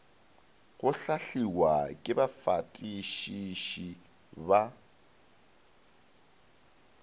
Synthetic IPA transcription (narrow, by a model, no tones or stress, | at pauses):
ɣʊɬaɬiwakʼɪbafatʼiʃiʃi | ba